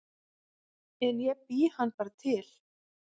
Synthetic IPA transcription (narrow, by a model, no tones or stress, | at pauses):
ɛnjɛpihanːpaːɾat̪ʰɪl̥